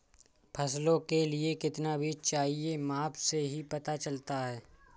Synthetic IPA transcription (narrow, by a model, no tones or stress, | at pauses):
pʰɐslõkeliekɪt̪nabʱiːt͡ʃt͡ʃaːɦiemaːpseɦipɐt̪at͡ʃɐlt̪aɦɛː